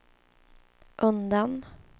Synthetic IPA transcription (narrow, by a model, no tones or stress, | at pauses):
ʔɵnd̪an